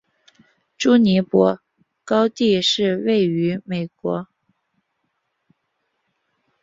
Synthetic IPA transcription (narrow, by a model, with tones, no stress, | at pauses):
ʈ͡ʂu˥ni˧˥pwɔ˧˥ | kɑ˥ʊt̪i˥˧ʂɻ̩˥˧we˥˩ɪy˧˥me˨˩ɪkwɔ˧˥